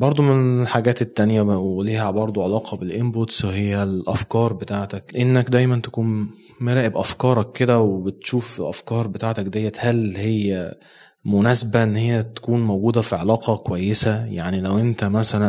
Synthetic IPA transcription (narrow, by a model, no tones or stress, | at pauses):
bɑɾˤd̪ˤomenelħaɡæːt̪et̪ːænjæweliːhæbɑɾˤd̪ˤuʕelɑːqʰɑbelʔembot̪swehejːælʔæfkɑːɾˤbet̪aːʕt̪ækʔenːækd̪æjmænt̪æ̥kuːn | meɾæːʔebʔæfkɑːɾˤɑkːed̪æwebet̪ʃuːfelʔæfkɑːɾˤbet̪aːʕt̪ækd̪æjːæt̪hælhejːæ | monæːsebæʔenːhejːæt̪æ̥kuːnmowɡuːd̪æfiʕelɑːqɑkowæjːesæja̰ʕnilæwʔent̪æmæsælæn